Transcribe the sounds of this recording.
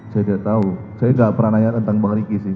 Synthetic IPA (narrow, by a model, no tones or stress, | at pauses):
sajadiaʔt̪au | sajaŋɡaʔpəɾanaɲat̪ənt̪aŋbaŋɾikisɪ